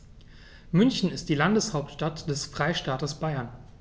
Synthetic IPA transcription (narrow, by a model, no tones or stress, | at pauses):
mʏnçn̩ɪst̚d̥iːlandəshaʊptʃtatd̥ɛsfʁ̥aɪʃtaːtəsb̥aɪɐn